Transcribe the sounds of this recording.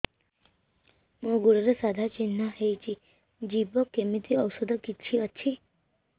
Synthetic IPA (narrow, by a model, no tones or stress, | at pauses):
mõɡuɽəɾəsad̪ʱat͡ʃinːaɦejt͡ʃi | d͡ʒibəkːemit̪ʰiəwsəd̪ʱəkitːt͡ʃʰiətːt͡ʃʰi